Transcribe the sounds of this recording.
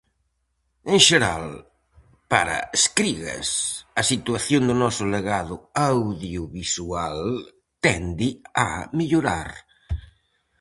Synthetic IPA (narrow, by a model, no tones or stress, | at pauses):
ẽŋʃeɾa̰l | paɾɐ̰eskɾiɣɐ̰sɐsit̪uaθjond̪ʊnɔsʊleɣaðʊawðjʊβisual | t̪ɛnd̪ɪa̰miʎʊɾa̰ɾ